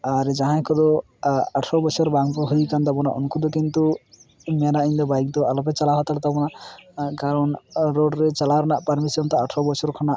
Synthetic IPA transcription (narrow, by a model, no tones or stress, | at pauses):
aɾd͡ʒaɦãjkʰɔd̪ɔ | aʈʰɔbɔt͡ʃʰɔɾbaŋkɔɦujkand̪ɔbɔna̰ʔɔ̰nkʰud̪ɔkint̪u | manaʔind̪ɔbajk̚d̪ɔalɔpɛt͡ʃalaɦɔt̪aɽt̪ɔbɔnakaɾɔnɾoɖɾet͡ʃalaɾnaʔpɐɾmisijɔnt̪ɔaʈʰɾɔbɔt͡ʃʰɔɾkʰɔnaʔ